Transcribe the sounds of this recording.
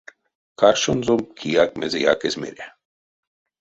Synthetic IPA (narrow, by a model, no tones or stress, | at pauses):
karʃonzomkʰijak̚mɛzija̰kezmḛɾʲæ